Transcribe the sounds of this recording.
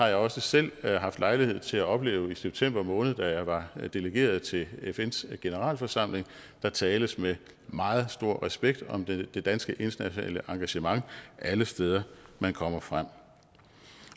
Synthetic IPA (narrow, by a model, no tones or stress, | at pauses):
hɑ̈jɑ̈ɪɒ̽səsel̰ɦɑ̈fd̥lɑ̈ɪlihe̝ð̞̰ˠt͡sʰe̝læɒ̽b̥le̝̰ːʊiseb̥̚t͡sʰem̰b̥ɐmɔ̽ːnð̞̩ˠd̥æjɑ̈ɪʋɑ̈d̥e̝ləɡ̥e̝̰ːɐð̞̩ˠt͡sʰe̝lefensɡ̥e̝nəʁɑ̰̈ːlfɒsɑ̈m̰le̝ŋ | d̥ɑ̈t͡sʰɛːləsme | mɑ̈ːð̞̩ˠsd̥o̝ɐ̰ʁɛsb̥eɡ̥̚d̥ɒ̽md̥e̝d̥ænsɡ̥əʔe̝nt͡sʰɐnæɕonɛ̰ːləʔɑ̈ŋɡ̥æɕəmɑ̈ŋʔæləsd̥eːð̞ˠɐmænkʰɒ̽m̰ɐfʁam̰